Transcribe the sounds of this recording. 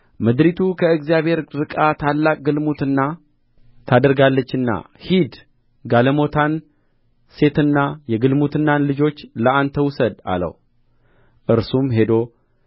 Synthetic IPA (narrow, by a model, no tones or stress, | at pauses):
mɨd̪ɾit̪ʰukʰəɨɡzijaβhe̞ɾɾɨkʼat̪ʰalːakʼɡɨlmut̪ɨnːa | t̪ʰad̪əɾɡalːət͡ʃːɨnːa̰ | hid̪ | ɡaləmo̞t̪ʰan | se̞t̪ɨnːajɛɡɨlmut̪ɨnːanlɨd͡ʒo̞t͡ʃːləant̪ʰəwʊsəd̪a̰lə̰w | ʔɨɾsumɦe̞d̪o̞